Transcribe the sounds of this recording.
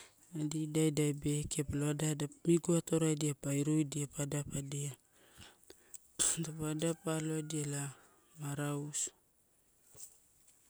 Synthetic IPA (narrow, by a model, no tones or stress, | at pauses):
adidajdajbe̞ke̞paloadadamiɡuatoɾajdiapajɾojdiapadapadia | dapadapalo̞diala | maɾaus